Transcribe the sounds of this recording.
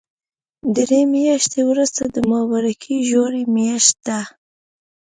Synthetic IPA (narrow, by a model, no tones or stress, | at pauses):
d̪ɾemjɑʃt̪ewɾʊst̪ad̪əmɑwaɾakʰiʒoɾemjaʃt̪̚d̪a